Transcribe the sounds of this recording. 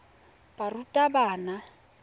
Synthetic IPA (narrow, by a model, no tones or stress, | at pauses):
barutʼabaːna